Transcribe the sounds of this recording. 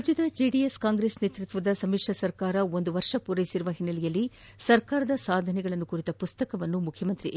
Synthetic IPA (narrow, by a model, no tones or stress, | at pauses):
d͡ʒɐd̪ɐd͡ʒeːɖijeskaːŋɡɾesneːt̪ɾut̪ʋɐd̪ɐsɐmikʂɐsɐɾkaːɾɐo̞nd̪uʋɐɾʂɐpuɾɐjisiɾuʋɐɦinːɐlijɐlːi | sɐɾkaːɾɐd̪ɐsaːd̪ʱɐnɛɡɐɭɐnːukuɾit̪ɐpust̪ɐkɐʋɐnːumukʰjɐmɐnt̪ɾi